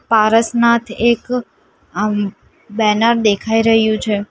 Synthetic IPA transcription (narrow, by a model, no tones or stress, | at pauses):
paɾəsnat̪ʰek | bɛnəɾd̪ekʰaiɾəɦjũt͡ʃʰe